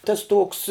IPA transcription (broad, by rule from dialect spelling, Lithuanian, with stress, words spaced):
ˈtɐs ˈtuɔks